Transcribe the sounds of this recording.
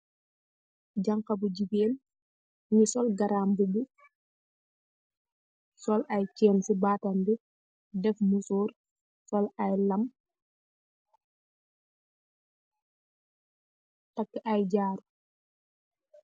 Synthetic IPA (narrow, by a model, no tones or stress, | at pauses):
ɟɐŋkɐbuɟibeːl | ɲisɔlɡɐɾaːmbubu | sɔlʔɐjcɛːnsibaːtɐmbi | dɛfmusuːr | sɔlɐjlɐm | tɐkːʔɐjɟaːɾu